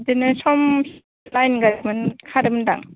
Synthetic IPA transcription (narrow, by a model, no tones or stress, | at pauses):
dinɯsɔms | t̚lajnɡadmɯnkʰaɾɯmnda̰ŋ